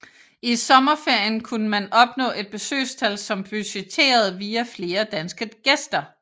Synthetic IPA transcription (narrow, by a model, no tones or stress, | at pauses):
isɒ̽mɐfeɐ̰jənkʰunəmænɒ̽b̥nɔ̰̽ːʔe̝d̥̚b̥e̝sø̰ːst͡sʰælsɒ̽mb̥yɕet͡sʰe̝̰ːɐð̞̩ˠʋiːæfle̝ːɐd̥ænsɡ̥əɡ̥esd̥ɐ